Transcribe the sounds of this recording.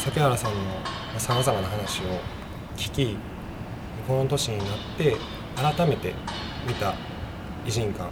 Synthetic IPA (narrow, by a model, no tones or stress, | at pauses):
sakʲeaɾasãnːo̞ | masamazamanaɦanaɕio̞ | kʲi̥kʲi | ikont̪o̞ɕiɲ̟inat̪ːe̞ | aɾat̪ame̞t̪e̞ | mʲit̪a | iʑĩŋkã̰